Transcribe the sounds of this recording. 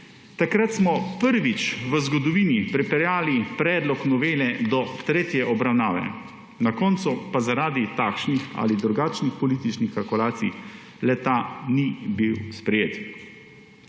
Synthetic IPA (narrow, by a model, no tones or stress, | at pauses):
t̪akɾat̪smɔpəɾʋit͡ʃʋəzɡɔd̪ɔʋiːnipɾɛpɛɾjaːlipɾɛːd̪lɔknɔʋeːlɛd̪ɔt̪ɾeːt̪jɛʔɔbɾawnaːʋɛ̰ | nakɔnt̪supazaɾaːd̪it̪akʃnixa̰lid̪ɾuɡaːt͡ʃnixpɔliːt̪it͡ʃnixkalkulaːt̪sḭj | lɛt̪anibiwspɾɛjeːt̪